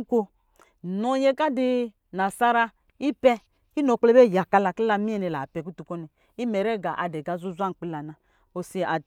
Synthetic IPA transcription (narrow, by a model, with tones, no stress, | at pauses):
kʷo˦ | nɔ˨jɛ˦ka˦di˧ | na˨sa˦ɾa˦˧ | i˦pɛ˦ | i˦nɔ˨k͡plɛ˦bɛ˦˨ja˨ka˧la˨kli˦la˧mi˦ɛ˨nɛ˨la˨pɛ˨ku˦tu˨kɔ˦nɛ˨ | i˦mɛ˨ɾɛ˦˨ɡa˨ʔa˨dɛ˨ɡa˨˦zu˦zu˦a˦ŋ˨k͡pi˧˦la˨na˨ | o˨si˧˨a˨